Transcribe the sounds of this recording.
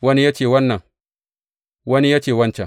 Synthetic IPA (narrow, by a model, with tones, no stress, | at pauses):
wɐ˦ni˦ja˦t͡ʃeː˨wɐ˦nːɐ˨ŋ | wɐ˦ni˦ja˦t͡ʃeː˨wɐ˦nt͡ʃɛ˨